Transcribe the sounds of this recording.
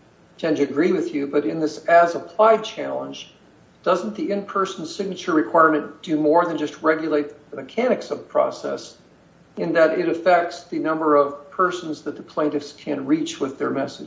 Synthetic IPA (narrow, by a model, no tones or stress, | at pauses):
tʰɛ̃ndɨɨɡɹiwɨðjɨbʌɾɨ̃nðɪsɨzəpʰl̥aɪd̚t͡ʃʰælˠə̃nd͡ʒ | d̥ʌzn̩ðiɪ̃npʰɜ˞sn̩̥sɪɡ̚nɨt͡ʃə˞ɹɨkʰw̥aɪɹmɨ̃nd̥ɨmɔɹðɨ̃nd͡ʒʌst̚ɹɛɡjleɪt̪̚ðɨmɨkʰæñɨksʌv̥pʰɹ̥ɔ̰sɛ̰s | ɨ̃nðɨɾɪɾɨfɛk̚tsðɨnʌ̃mbə˞ʌv̥pʰɜ˞sn̩zðɨt̪̚ðəpʰl̥ẽɪ̃ntɨfskʰɨ̃nɹit͡ʃwɪðə̰˞mɛsɨ̥